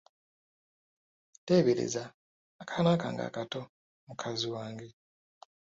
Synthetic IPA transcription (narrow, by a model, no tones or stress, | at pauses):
teːβeɾḛzaː | kḁnaːka̰ːŋɡa̰ːkato | mukʰaziwaːŋɡe